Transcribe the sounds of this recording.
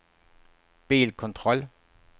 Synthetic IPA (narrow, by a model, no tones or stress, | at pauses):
b̥ḛːlkʰɔnt͡sʰʁɔ̽l